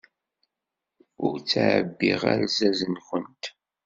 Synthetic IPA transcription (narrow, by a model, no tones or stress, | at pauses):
ʊɾt͡sːaʕəbːiʁaæ̰ɾzæzənxənt̪